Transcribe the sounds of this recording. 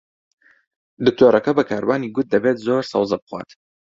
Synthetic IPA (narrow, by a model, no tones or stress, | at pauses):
d̪ɨk̚t̪ʰoːɾɐkɐbɐkʰaːɾwaːniːɡʊt̪̚d̪ɐbeːt̪zoːɾsɐ̰wzɐbχwʷa̰ːt̪